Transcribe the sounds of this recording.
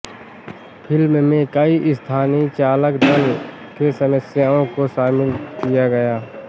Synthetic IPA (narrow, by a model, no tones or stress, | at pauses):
pʰɪlmmẽkɐiʔɪst̪ʰaːnit͡ʃaːləkd̪əl | kesəməsjaːõkoʃaːmɪlkijaɡɐjaː